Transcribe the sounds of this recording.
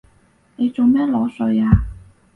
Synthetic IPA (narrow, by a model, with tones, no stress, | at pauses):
ne˨˧jt͡so˨˩wmɛː˥lɔː˨˥sɵ˨˧jaː˧